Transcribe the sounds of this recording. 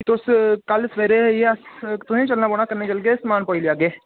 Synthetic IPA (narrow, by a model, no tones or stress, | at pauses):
t̪oʊskɐlsʋeːɾejeɐst̪ʊsẽt͡ʃɐlnaːboːɽ̃ɳ̃akɐɾnekəlɡesmaːnpoːilijaːɡeː